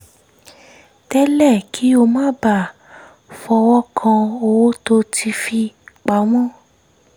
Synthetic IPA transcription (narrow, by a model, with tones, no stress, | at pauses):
tɛ˦lɛ˦˨kʰi˨˦o˧mã˦ba˨ | fɔ˧wɔ˦kʰã˧o˧wo˦to˧tʰi˧fi˧k͡pa˨˦w̃ɔ̃˦˨